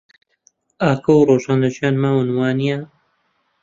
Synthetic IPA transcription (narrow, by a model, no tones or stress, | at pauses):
aːkʰɐwroːʒaːnɐʒjaːnmaːwɨnwaːnija